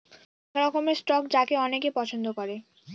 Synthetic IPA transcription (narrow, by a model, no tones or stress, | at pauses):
ɾɔkomesʈɔkd͡ʑakeɔnekepɔt͡ɕʰond̪okɔɾe